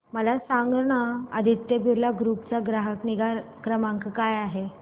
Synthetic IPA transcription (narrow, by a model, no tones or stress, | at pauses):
məlasaŋɡnaəd̪ʱit̪jəbʱiɾlaɡɾuːp̚t͡saɡɾaɦəkniɡakɾəmãŋkkajaɦe